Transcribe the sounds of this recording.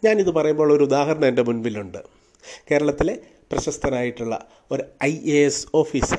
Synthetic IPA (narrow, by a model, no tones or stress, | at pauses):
ɲaːniðɨpɐrɐjumboːɭo̞ɾuud̪aːhɐɾɐɳɐeinde̞munʋiluɳɖɨ | ke̞ːɾɐɭɐt̪ːile̞ | prɐɕɐst̪ʰɐnaːjiʈːuɭːɐ̰ | o̞ɾuɐjʔeeso̞ːfiːs